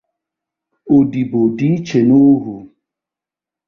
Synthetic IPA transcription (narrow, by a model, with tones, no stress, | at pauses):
o˨di˨bo˨di˦t͡ʃe˨no˦ɦu˨